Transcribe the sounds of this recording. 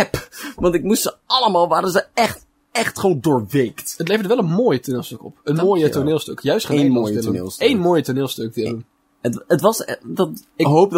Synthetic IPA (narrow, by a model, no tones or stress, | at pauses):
ɛpʋɑntɪkmustsəɑləmaːlˠʋaːɾənzəɛχt | ɛχtχowndʊːɹʋejktət̬lejvədəʋɛlˠənmoːjətoɹnɪːlˠstøkɔ̰pənmoːjətoɹnɪːlˠstøkjœɥstχ | ejnmoːjətoɹnɪːlˠstøk̚dɪun | ətətʋɑsdɑtɪkɦowp̚d